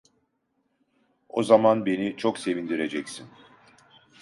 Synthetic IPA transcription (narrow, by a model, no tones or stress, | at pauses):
ozamanbe̞nit͡ʃʰo̞kse̞vind̪iɾe̞d͡ʒɛcsin